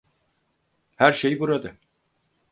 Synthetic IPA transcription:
hæɾʃejbuɾad̪ɯ

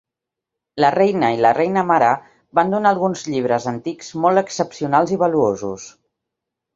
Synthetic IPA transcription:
lərɛjnəilərɛjnəmaɾə | band̪unaːlˠɣunzʎiβ̞ɾəzənt̪ikz̥mɔlˠt̪əksəpsiunalˠziβəluozṵs

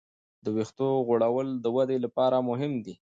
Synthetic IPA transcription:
d̪əwext̪oɣoɽawəld̪əwad̪elapɑɾamʊɦɪmd̪i

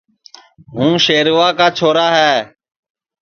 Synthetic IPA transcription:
ɦũːʃeːɾʋaːkaːt͡ʃʰoːɾaːɦɛː

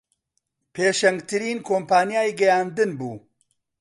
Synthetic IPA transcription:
pʰeːʃɐŋɡt̪ʰɨɾiːnkʰoːmpaːnjaːjiɡɐjaːnd̪ɨnbuː

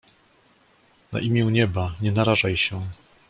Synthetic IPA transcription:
na̰ʔimʲjɛwɲɛbaɲɛnaɾaʐajɕɛ

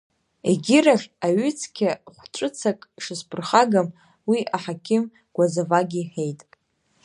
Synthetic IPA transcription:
ḛɡʲɪraχʲaɥʏt͡sʰkʲʰaχʷʈ͡ʂʷʼɨt͡sʰakʼʂɨspʰʼɨrχaɡam | wiʔaħakʲʰɪm | ɡ̥ʷazavaɡʲiħejtʼ

